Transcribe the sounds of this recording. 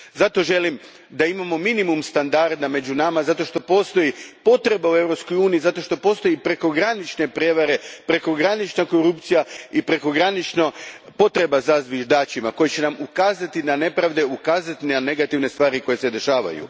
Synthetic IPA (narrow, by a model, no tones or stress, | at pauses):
zat̪o̞ʒe̞lim | d̪aimamo̞minimumst̪and̪aɾd̪ame̞d͡ʒunamazat̪o̞ʃt̪o̞po̞ːst̪o̞jipo̞t̪ɾe̞baue̞ʋɾo̞psko̞juːniizat̪o̞ʃt̪o̞po̞ːst̪o̞jipɾe̞ko̞ɡɾanit͡ʃne̞pɾʲje̞ʋaɾe̞pɾe̞ko̞ɡɾanit͡ʃnako̞ɾupt̪sijaipɾe̞ko̞ɡɾanit͡ʃnopo̞t̪ɾe̞bazazʋiʒd̪aːt͡ʃimako̞jet͡ɕe̞namukaːzat̪inane̞pɾaʋd̪e̞ukaːzat̪inane̞ɡat̪iʋne̞st̪ʋaːɾiko̞je̞sed̪e̞ʃaːʋa̰jṵ